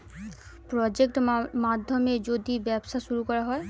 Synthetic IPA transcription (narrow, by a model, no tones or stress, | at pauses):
pɾɔd͡ʑek̚ʈmad̪ʱːomed͡ʑod̪ibɛbʃaʃuɾukɔɾaɦɔe